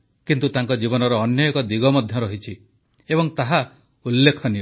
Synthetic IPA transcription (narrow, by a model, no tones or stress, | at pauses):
kint̪ut̪aŋkɔd͡ʒibɔnɔɾɔːnjɔekɔd̪iɡɔmɔd̪ʱjɔɾɔɦit͡ʃʰi | ebɔŋt̪aɦa | ulːekʰɔnio